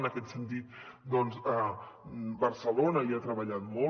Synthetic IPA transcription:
nəkɛt̪sənt̪it̪̚d̪ɔnzə | bəɾsəlonəiat̪ɾəβəʎat̪mo

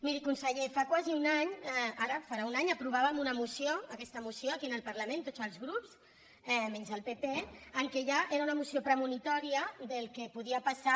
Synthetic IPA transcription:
miɾikunsəʎefakwaziunaɲaɾəfaɾaunaɲəpɾuβ̞aβəmunəmusioəkɛst̪əmusioəkiənəlˠpəɾləmẽnt̪ozəlˠzɣɾups | ɛmɛnzəlˠpepeəŋkeʒaʔeɾaunəmusiopɾəmunit̪ɔɾiəd̪əlˠkepuð̞iəpasa

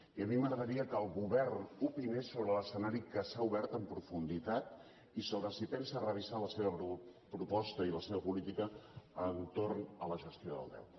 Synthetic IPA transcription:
iəmiməɣɾəðəɾiəkəlˠɣuβɛrnupinesoβɾələsənaɾikəsauβɛɾt̪əmpɾufund̪it̪at̪ | isoβɾəsipɛnsəːrəβ̞izaləseβəpɾupɔst̪əiləseβəpulit̪ikəːnt̪ornələʒəst̪ioðə̰lˠd̪ɛ̰w

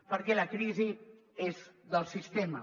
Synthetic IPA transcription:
pəɾkɛlakɾizi | ezðəlˠsist̪ema̰

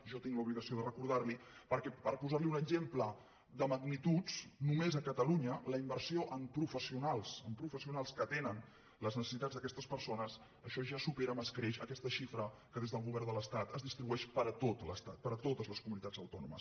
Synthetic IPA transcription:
ʒɔt̪iŋluβliɣəsioðərəkuɾð̞aɾlipəɾkɛpəɾpuzaɾliunəɡzemplə | d̪əməɡnit̪ut͡snumezəkət̪əluɲələimbəɾsioʔəmpɾufəsiunalˠsəmpɾufəsiunalˠskət̪enən | ləznəsəsit̪ad͡zðəkɛst̪əspəɾsonəs | əʃɔʒasupeɾəməskɾeʃə̰kɛst̪əʃifɾəkəðezðəlˠɣuβɛrnd̪ələst̪at̪əzðist̪ɾiβuɛʃpəɾət̪ot̪ləst̪at̪̚pəɾət̪ot̪əzləskumunit̪ad͡zə̰wt̪ɔnṵmə̰s

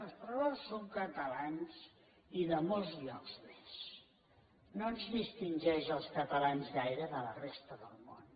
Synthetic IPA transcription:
əlˠspɾɔlasːoŋkət̪əlanz | iðəmolˠzʎɔkz̥mes | noənzðist̪inʲʒɛʒəlˠskət̪əlanzɣajɾəðələrest̪əðəlˠmo̰n

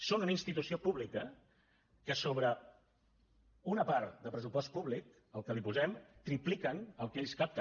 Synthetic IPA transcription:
sonunəinst̪it̪usiopuβlikə | kəsoβ̞ɾə | unəpaɾt̪d̪əpɾəs̬upɔst̪̚puβlik̚ | əlˠkəlipuzɛmt̪ɾiplikənəlˠkeʎʲskap̚t̪ə

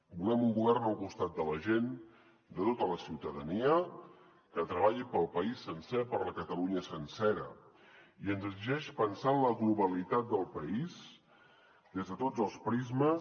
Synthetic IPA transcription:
bulɛmuŋɡuβɛrnəlˠkust̪at̪̚d̪ələʒen | d̪ət̪ot̪ələsiwt̪əðəniə | kət̪ɾəβ̞aʎipəlˠpəisːənsɛpəɾləkət̪əluɲəsənsɛɾə | iənzəɡziʒɛʃpənsanləɣluβəlit̪at̪̚d̪əlˠpəiz | d̪ezðət̪od͡zəlˠspɾizmə

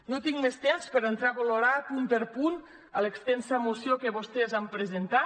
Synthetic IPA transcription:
not̪iŋmest̪emspəɾent̪ɾaβoloɾapunpeɾpun | ələkst̪ɛnsəmusjokeβost̪ezampɾezent̪a

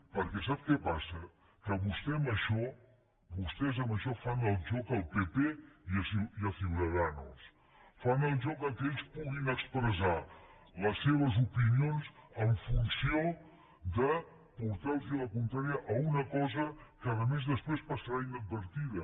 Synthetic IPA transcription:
pəɾkɛs̬ap̚kɛpasə | kəβust̪ɛməʃɔ | βust̪ɛzəmbəʃɔfanəlˠʒɔkəlˠpepeiəsiiəfiðəðano̰lˠs | fanəlˠʒɔkəkeʎspuɣinəkspɾəza | ləsːeβ̞əzupinionzəɱfunsio | d̪ə | puɾt̪alˠsiələkunt̪ɾaɾiəʔəunəkɔzəkəðəmezðəspɾespəsəɾaiɲd̪əd̪̚bəɾt̪iðə

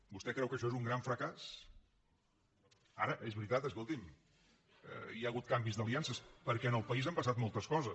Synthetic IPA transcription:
bust̪ɛkɾɛwkəʃɔezuŋɡɾaɱfɾəkas | a̰ɾəʔezβɾit̪at̪əs̬kolˠt̪im | ə̰jaəɣut̪̚kambizðəliansəspəɾkɛənəlˠpəizampəsat̪̚mɔlˠt̪əskɔzəs

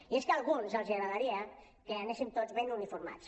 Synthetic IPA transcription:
ieskəalˠɣ̞unzəlˠziaɣɾaðaɾia | keaneʃint̪od͡zβenunifuɾma̰t͡s

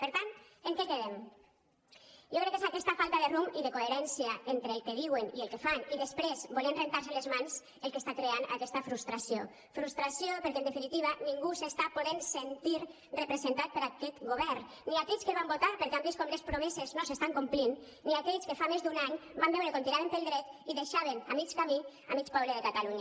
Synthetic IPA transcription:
peɾt̪ant̪eŋkɛkeðem | ʒokɾɛkːeszakɛst̪afalˠt̪aðerumiðekoeɾɛnsiaent̪ɾeːlˠkeðiwenielˠkefaniðespɾezbolenrent̪aɾselezmanz | elˠkest̪akɾeana̰kɛst̪afɾust̪ɾasijo | fɾust̪ɾasijopeɾkend̪efinit̪iβ̞aniŋɡusest̪apoðensent̪iɾ | repɾezent̪at̪̚peɾakɛt̪ɡoβ̞ɛɾ | niakɛʎskeβambot̪aɾpeɾkeambiskɔmlespɾomeseznosest̪aŋkumplinː | iakɛʎskefamezd̪unaɲbambɛwɾekont̪iɾaβenp̪elˠd̪ɾɛt̪iðeʃaβenamit͡ʃkami | amit͡ʃpɔβleðekat̪aluɲa

